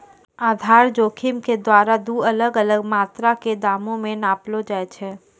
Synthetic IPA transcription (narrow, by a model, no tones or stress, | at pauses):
aːd̪ʱaːɾd͡ʒoːkʰɪmked̪waːɾad̪uːɐləɡələɡmaːt̪ɾaked̪aːmõmẽnaːplod͡ʒaːet͡ʃʰɛː